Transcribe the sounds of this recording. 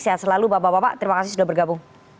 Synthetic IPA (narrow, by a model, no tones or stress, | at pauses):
saasəlalubapabapa̰ʔt̪əɾimakasis̬udahbərɡabʊŋ